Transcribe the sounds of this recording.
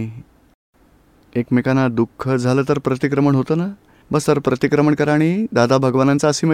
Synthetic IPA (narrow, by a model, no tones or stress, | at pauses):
ekmekanad̪ukʰːəd͡zʱaləːt̪əɾpɾət̪ikɾəməɳɦot̪əːna | bəst̪əɾpɾət̪ikɾəməɳkəɾaɽ̃id̪ad̪abʱəɡʋanant͡saəsiːmə